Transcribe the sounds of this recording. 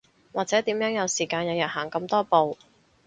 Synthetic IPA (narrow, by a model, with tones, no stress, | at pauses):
waː˨k̚t͡sɛː˨˥t̪iː˨˥mjœː˨˥ŋjɐ˨˧wsiː˨˩kaː˧njɐ˨˧wjɐ˨t̚haː˨˩ŋkɐ˧mt̪ɔː˥po˨w